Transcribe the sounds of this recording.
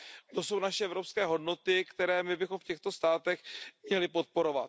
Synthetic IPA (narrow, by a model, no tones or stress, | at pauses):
t̪o̞so̞wnaʃɛɛvɾo̞pskɛːɦo̞dno̞t̪ɪkt̪ɛɾɛːmɪbɪxo̞mfcɛxt̪o̞st̪aːt̪ɛxmɲɛlɪpo̞t̪̚po̞ɾo̞vat̪